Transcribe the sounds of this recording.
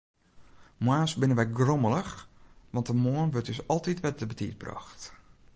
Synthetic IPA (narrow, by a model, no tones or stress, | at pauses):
mwaːsbɪnənʋɛjɡromələxʋɑntəmoənʋøtəsɔlˠtitʋɛt̚əbətʰḭt̚brɑ̰xt